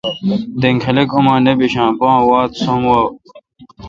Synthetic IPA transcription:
d̪eŋkʰɐlekumãːnebiɕãːpõːwaːt̪somwaːw

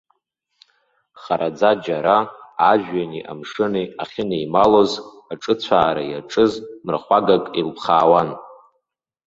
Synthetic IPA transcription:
χaɾad͡zad͡ʒaɾaːʒᶣɥaniʔa̰mʂɨneaχʲɪneimalo̞z | aʈ͡ʂʼɨt͡ɕʷʰaːɾa̰jaʈ͡ʂʼɨzmrχʷaɡakʼilpʰχaːwan

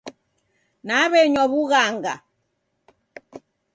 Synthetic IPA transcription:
naβɛɲɔβuɣaŋɡa̰

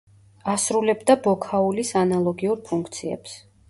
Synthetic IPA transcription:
asɾulɛbd̪abɔkʰaulisanalˠɔɡiuɾpʰuŋk̚ʰt̪sʰiɛ̰ps

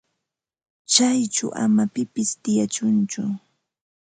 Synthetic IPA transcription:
t͡ʃajt͡ʃʊ̰wʔa̰mapɪpɪst̪ɪjat͡ʃʊnt͡ʃʊ

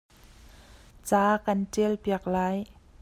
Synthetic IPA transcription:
t͡saːkɐntɛlpiək̚laːj

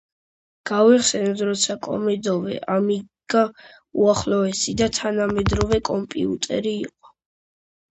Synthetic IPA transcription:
ɡ̥avɛχsɛnɔd̪ɾɔt̪sʰakʼɔ̰mɛd̪ɔvɛ̰ʔamiɡ̥a | uaχlɔɛsid̪at̪ʰanamɛd̪ɾɔvɛkʼɔmpʼḭṵt̪ʼɛ̰ɾiːqʼɔ̥

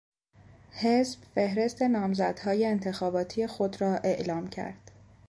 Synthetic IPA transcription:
he̞sb̥fe̞hɾe̞st̪e̞nɒːmzæd̪̥hɒːje̞ːnt̪ʰe̞xɒːbɒːt̪ʰije̞xod̪ɾɒːʔe̞ʔlɒːmcʰæ̰ɾd̪̥

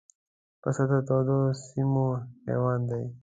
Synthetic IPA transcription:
pɐsad̪at̪oːd̪osimohḛwɑːnd̪aj

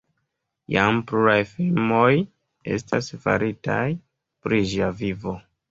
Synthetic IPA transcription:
jampluɾajfilmo̞j | e̞̰stasfa̰ɾʔitaj | pɾiʒiavivo̞

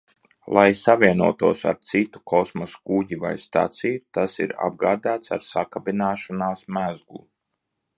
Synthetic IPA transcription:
lˠajsavʲiɛnuɔt̪uɔsa̰ɾt̪sit̪u̥kʰɔsmɔskuɟiva̰jst̪a̰t̪sijut̪asḭɾa̰b̚ɡaːd̪aːt̪saɾsakabinaːʃanaːsmæzɡlˠu

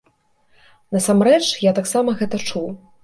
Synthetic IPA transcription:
nɐsamɾɛt͡ʂjat̪aksamɐɣɛt̪ɐt͡ʂuw

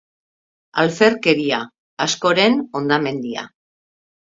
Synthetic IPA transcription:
alfe̞ɾke̞ɾia | asko̞ɾe̞no̞nd̪ame̞nd̪ia̰

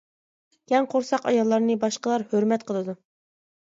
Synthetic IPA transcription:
jʲɛŋqʰoɾsɑqɑjɑlˠːɑɾnɨbɑʃqəlˠɑɾhøɾmɛt̪qʰəlˠɨd̪u

